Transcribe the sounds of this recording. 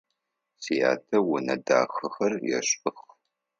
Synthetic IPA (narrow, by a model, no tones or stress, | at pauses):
sija̰ːtʰɐwʊnɐda̰ːxɨxɐrjɛ̰ɕʼɨx